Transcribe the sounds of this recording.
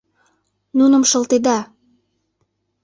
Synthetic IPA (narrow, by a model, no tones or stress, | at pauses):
nunə̆mʃə̆lt̪ed̪ɑ